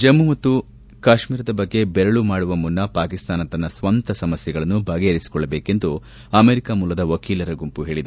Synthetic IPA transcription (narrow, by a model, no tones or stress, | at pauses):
d͡ʒɐmːumɐt̪ːu | kaːʃmiːɾɐd̪ɐbɐɡːebɛɾɐɭumaːɽuʋɐmːunːɐpaːkist̪aːnɐt̪ːɐnːɐsʋɐnt̪ɐsɐmɐsjɛɡɐɭɐnːubʱɐːɡejɐɾisi̥kɔɭːɐbeːke̞nd̪u | ɐmeːɾikamuːlɐd̪ɐʋɐkiːlɐɾɐɡumpuɦe̞ːɭid̪u